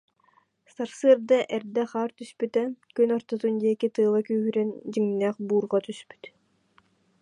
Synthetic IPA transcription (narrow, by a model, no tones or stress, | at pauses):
saɾsɯəɾd̪aʔɛɾd̪ɛχaːɾt̪yspyt̪ɛkynɔɾt̪ɔt̪und̪iɛkit̪ɯːlˠakyːɦyɾɛnd͡ʑiŋnɛːχbuːɾʁɔt̪yspy̥t̪